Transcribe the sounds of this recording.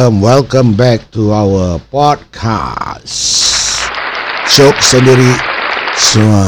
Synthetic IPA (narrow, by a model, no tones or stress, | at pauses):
mwɛlkə̃mbɛk̚tuawəpɔd̚kʰa̰ss | ʃoksə̃ndiɾi | s